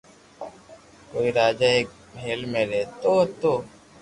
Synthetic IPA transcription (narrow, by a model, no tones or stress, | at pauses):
koːiɾaːd͡ʒaːeːk̚ | mʱeːlmẽːɾeːt̪oːt̪oː